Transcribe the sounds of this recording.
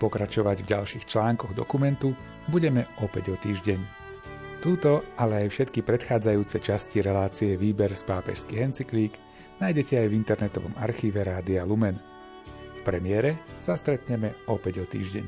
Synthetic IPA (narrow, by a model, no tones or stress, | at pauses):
pɔkɾat͡ʃɔʋaɟvɟalʃiːxt͡ʃlaːŋkɔɣd̪ɔ̰kumɛnt̪u | buɟɛmɛʔɔpɛɟɔt̪iːʒɟɛɲ | t̪uːt̪ɔʔalɛajfʃɛt̪kipɾɛt̪xaːd͡zajuːt͡sɛt͡ʃasciɾɛlaːt͡siɛʋiːbɛɾspaːpɛ̰ʃskiɦɛnt͡sikliːɡ | naːjɟɛcɛajvint̪ɛɾnɛt̪ɔʋɔ̰maɾxiːʋɛɾaːd̪ialumɛn | fpɾɛmɪɛɾɛsast̪ɾɛt̪ɲɛmɛɔpɛɟɔt̪ḭːʒɟɛ̰ɲ